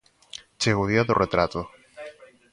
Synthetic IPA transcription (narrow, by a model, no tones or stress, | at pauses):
t͡ʃeɣoðiaðoret̪ɾat̪o